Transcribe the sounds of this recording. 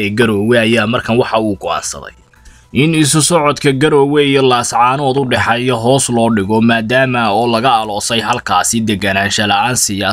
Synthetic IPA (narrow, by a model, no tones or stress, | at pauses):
ɛːɡɐɾɔːwɛɐjaːmɐrkʰɐnwɑħɑuːɡɔʔa̰ːnsɐ̰ðɛ̰j | ʔɪnɪs̬ʊsɔʕɔd̪kʰɐɡɐɾɔːwɛijɔlaːsʕɑːnɔːd̪ʊɖɛħɑjɔɦɔːslɔːɖɪɣɔmaːd̪aːmɐɔːlɐɣɐːlɔːsɛjɦɐlkʰaːsɪd̪ɛɡɐnaːnʃɐlɐaːnsɪjaː